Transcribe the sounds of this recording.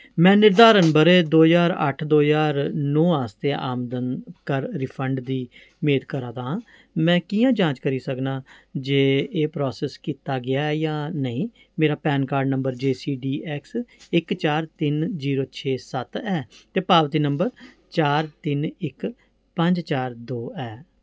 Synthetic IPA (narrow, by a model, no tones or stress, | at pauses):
mɛ̃ːnɪɾd̪aːɾənbəɾeːd̪oːzaːɾə̰ʈʰd̪oːzaːɾnɔːaːst̪eːʔaːmd̪ənkəɾɾɪpʰəɳɖd̪iː | meːd̪kəɾaːd̪ãː | mɛ̃ːkiːjãːd͡ʒãːt͡ʃkəɾiːsəknaːd͡ʒeːeːpɾɔːsɛːskiːt̪aːɡɪaːɛjaːnəĩː | meːɾaːpɛːnkaːɾɖnə̃mbəɾd͡ʒeːsiːɖiːʔɛːksɪkt͡ʃaːɾt̪ɪnziːɾoːt͡ʃʰeːsət̪ɛːt̪eːpaːʋt̪iːnəmbəɾ | t͡ʃaːɾt̪ɪnɪk | pəɲd͡ʒt͡ʃaːɾd̪oːɛː